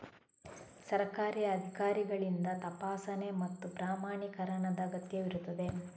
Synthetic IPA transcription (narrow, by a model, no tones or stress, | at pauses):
sɐɾɐkaːɾijɐɐd̪ʱikaːɾiɡɐɭind̪ɐt̪ɐpaːsɐne̞mɐt̪ːupɾaːmaːɳikɐɾɐɳɐd̪ɐɡɐt̪jɐʋiɾut̪ːɐd̪e̞